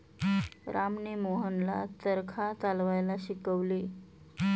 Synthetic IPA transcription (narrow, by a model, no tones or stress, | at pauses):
ɾamnemoɦənla̰t̪əɾkʰat͡salʋajlaɕikəʋli